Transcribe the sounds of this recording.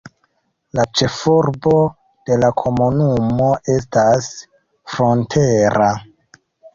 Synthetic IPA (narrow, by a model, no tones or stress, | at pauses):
lat͡ʃe̞fuɾbo̞ | d̥e̞lakʰo̞munumo̞ʔe̞stas | fɾontʰe̞ɾa